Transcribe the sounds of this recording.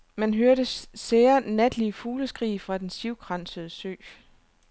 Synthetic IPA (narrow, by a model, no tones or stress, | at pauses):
mænɦøɐɾəseːɐnæd̥liəfuːləsɡ̥ʁḭːfʁɑ̈d̥ensiʊɡ̥ʁɑnsəð̞ˠəsø̰ː